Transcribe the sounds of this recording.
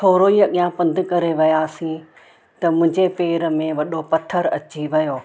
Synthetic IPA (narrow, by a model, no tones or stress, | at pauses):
t̪ʰoːɾoiːɐɠijãpɐ̃nd̪ʱɪ̆kɐɾeʋɐjaːsĩ | t̪ɐmʊ̃ɦɪ̃ɲd͡ʑepeːɾə̆mẽʋɐɗopɐt̪ʰəɾɐt͡ɕiʋɐjoː